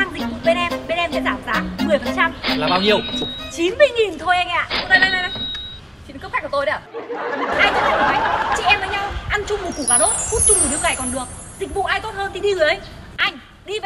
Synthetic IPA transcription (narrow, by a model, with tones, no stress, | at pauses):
aː˧nzi˨˩vṵ˧˨ɓe˧nʔɛ˧mɓe˧nʔɛ˧msɛ̰˧˥zaː˧˩mzaː˨˦mɨ˨˩əjfə˨˩nt͡ɕa˧mlaː˨˩ɓaː˧wɲi˨˧˩əwt͡ɕi˨˦nmɨ˧jŋi˨˩nt̪ʰo˧ja˧jŋʔaː˧˨˧naː˧˨na˧jna˧jna˧˦ | i˨˦˨k̚xɛ˦˥k̚to˧jɗa˧˩˧haː˧jt͡ɕɨ˧˦˥t̪̚ʰːnɔ˨˦jt͡ɕḭ˧˨ʔɛ˧mvəː˨˦ɲa˧wʔa˧nt͡ɕʊ˧ŋ͡mmo˨˩t̚ku˧˩kaː˧˩ɗo˦˥t̚fu˦˥t̚t͡ɕʊ˧ŋ͡mm̚˨˩i˨˧əwɣaː˨˩jkɔ˨˩nɗɨ˨˩ək̚zi˨˩k̚vṵ˧˨ʔaː˧jt̪o˦˥t̚həː˧nt̪i˨˩ɗi˧ɣɨ˨˩ʔə˨˦j | ʔa˧jŋ̟ | ɗi˧v